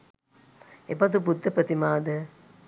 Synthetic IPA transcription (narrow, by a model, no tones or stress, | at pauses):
ḛpɐt̪̬ubud̪ːɐpɾɐt̪imaːd̪ɐ